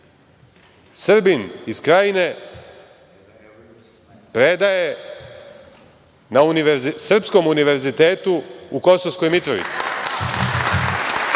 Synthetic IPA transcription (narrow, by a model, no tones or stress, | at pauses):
sr̩biniskɾajine̞ | pɾed̪aje | nauniʋzsr̩psko̞muniʋe̞ɾzit̪eːt̪uuko̞soʋsko̞jmit̪ɾoʋḭt̪si̥